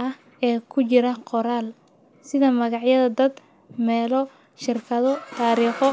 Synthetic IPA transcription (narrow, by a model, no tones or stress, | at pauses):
ɐh | ɛːkʰʊt͡ʃɪɾɐqɔɾaːl | sɪðɐmɐɣɑʕjɐðɐd̪ɐd̪ | mɛːlɔ | ʃɪrkʰɐðɔt̪ʰaːɾiːχɔ